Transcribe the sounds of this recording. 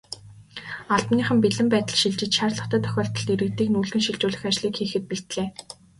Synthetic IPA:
aɮpniːχə̆mpiɮɘ̆mpæːt̪ə̆ɮʃiɮt͡ɕɪ̆t͡ɕʃarɮə̆χt̪ʰæːt̪ʰœ̥xʲɔːɬt̪ɞ̆ɮiɾɘ̆kt̪iːknuːɮɣɘ̆nʃiɮt͡ɕʊːɮɘ̆xæːt͡ɕɮiːkxiːxɘ̆t̪̚piɬt̪ɮeː

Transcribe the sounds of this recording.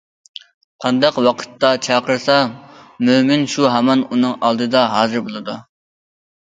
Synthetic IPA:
qʰɑnd̪ɑqwɑqʰə̥t̪ːɑt͡ʃʰɑːqəɾsɑmymɪnʃuɦɛmɑnunɨŋɑlˠd̪ɨd̪ɑɦɑːzɨɾbolˠɨd̪u

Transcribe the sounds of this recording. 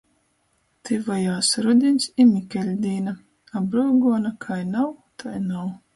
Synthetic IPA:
t̪ʰɨvajaːsɾud̪ʲinʲsimʲikʲɛlʲd̪ʲiːna | abɾuːɡuɔnakʰajnawt̪ʰajnaw

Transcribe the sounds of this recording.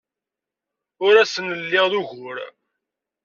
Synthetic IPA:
ʊɾæsənəlːɪʁðuʝʊɾ

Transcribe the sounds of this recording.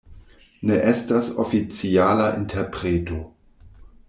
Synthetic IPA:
neʔestaso̰fit͡sialaʔintʰeɾpɾeto̞

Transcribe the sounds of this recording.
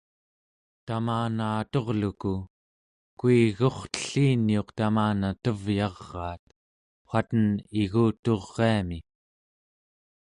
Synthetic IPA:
t̪amaːnaːt̪o̞ʁluku | kuiɣo̞χt̪ə̥ɬiːnio̞qt̪amaːnat̪əvjɑʁːɑːt̪̚ | χʷwat̪əniɣuːt̪o̞ʁːeami

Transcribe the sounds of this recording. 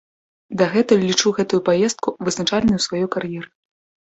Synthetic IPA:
d̪ɐɣɛt̪ɐlʲit͡ʂuɣɛt̪ujupajɛst̪̚kuvɨznat͡ʂalʲnɐjusvajɔjkarjɛɾɨ

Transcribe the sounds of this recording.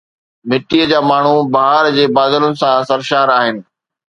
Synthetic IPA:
mɪʈiəd͡ʑaːmaːɳ̤ubaɦəɾd͡ʑeːbaːd̪əlʊnɪ̆sãsɐɾʃaːɾaːɦɪnɪ̆

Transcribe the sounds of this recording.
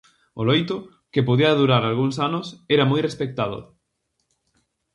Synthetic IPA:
ʊlojt̪ʊ | kɪpoðiɐðuɾaɾalɣuŋsanʊseɾɐmojrespek̚t̪aðʊ̰

